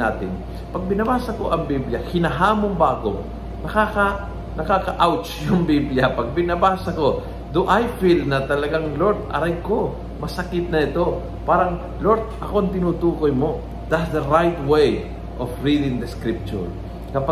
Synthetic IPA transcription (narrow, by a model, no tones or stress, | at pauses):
a̰ːt̪ɪn | pɐɡ̚bɪnɐbaːsɐko̞̰ʔɐŋbibljɐhɪnɐɦaːmoŋbɐʔɐko̞ | nɐkaːkɐ | nɐkaːkɐʔawt͡ʃjʊŋbibljɐpɐɡ̚bɪnɐbaːsɐko̞ | d̪ʊʔajfilnɐt̪ɐlɐɡaŋloɾd̪̚ʔɐ̰ɾajko̞ | mɐsɐkɪt̪̚nɐɪt̪o̞ | paːɾɐŋ | loɾd̪̚ʔɐko̞ʔɐŋt̪ɪnuːt̪uːkojmo̞ | d̪ɐt̪sd̪ɐɹajt̪wej | ʔofɹid̪ɪŋd̪ɐskɾip̚t͡ʃʊ̰ɹ | kɐpa